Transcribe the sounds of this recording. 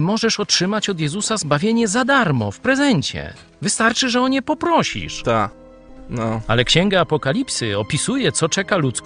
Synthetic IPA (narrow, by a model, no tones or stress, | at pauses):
mɔʐɛʂɔtʂɘmat͡ɕɔd̪jɛzusazbavʲjeɲɛzad̪aɾmɔ̰fpɾɛzɛɲt͡ɕɛ̰ | vɘst̪aɾt͡ʂɘʐɛɔɲɛpɔpɾɔɕḭʂt̪a | nɔalɛkɕɛŋɡaapɔkalʲipsɘɔpʲisujɛt̪sɔt͡ʂɛkalut̪sk